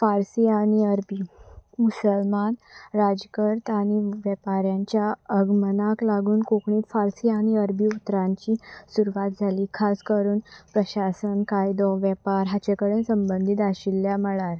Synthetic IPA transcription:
faɾsiaɽ̃iəɾbiːmusəlmanɾad͡ʑkəɾt̪aɽ̃iʋɛpaɾjãɲt͡ɕjaəɡmənaklaɡuːnkokɳiːt̪faɾsiaɽ̃iəɾbʱiːut̪ːɾãɲt͡ɕiːsuɾuʋat̪d͡zʱaliːkʰaskəɾuːnpɾəɕasənkajd̪ɔʋjɛpaɾɦat͡ɕekəɽẽnsəmbənd̪ʱit̪aɕilːjaməɭaɾ

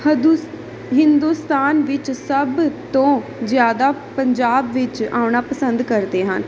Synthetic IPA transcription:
ɦɪnd̪uːst̪aːnʋɪt͡ʃsəbt̪õːzjaːd̪aːpəɲd͡ʒaːbʋɪt͡ʃaːʊɳaːpəsənd̪kəɾd̪eːɦən

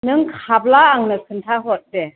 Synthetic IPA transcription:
nɯŋkʰab̚laːŋnɯkʰɯntʰaɦɔt̚dɛ

